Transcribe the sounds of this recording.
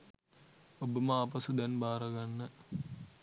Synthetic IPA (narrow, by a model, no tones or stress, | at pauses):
obəməaːpɐsud̪ɛnbaːɾɐɡanːə